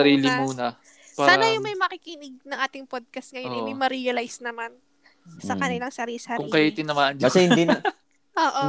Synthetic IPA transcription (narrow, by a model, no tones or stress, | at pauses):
ɐɾiːlɪmuːnɐ | spaaːnɐjʊŋmɐjmɐkɪkinɪɡ̚nɐŋʔaːt̪ɪŋpod̪̚kɐst̪̚ŋɐjoɪnd̪imɐɾijɐlajsnɐman | sɐkɐnɪlɐŋsɐɾiːlsɐɾkʊŋikɐjat̪ɪnːɐmaɐnd͡ʒasɛjɪnd̪ɪnɐ | ʔoːʔo